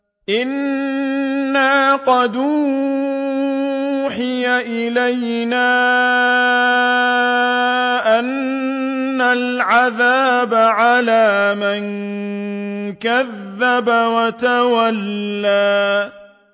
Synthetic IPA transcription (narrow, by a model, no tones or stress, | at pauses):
ʔɪnː | aːqɑd̪uː | ħɪjaʔɪlaj | naː | ʔanː | alʕaðaːbaʕalaːman | kaðːabawat̪awalːaː